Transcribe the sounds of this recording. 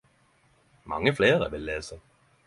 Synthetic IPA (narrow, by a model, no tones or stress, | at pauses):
mɑ̰ŋːəfleːʁə̰ʋɪlːeːsə